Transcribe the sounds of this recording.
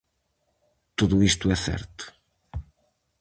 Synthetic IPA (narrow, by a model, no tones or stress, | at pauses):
t̪uðuist̪ʊɛθɛ̰ɾt̪ʊ̥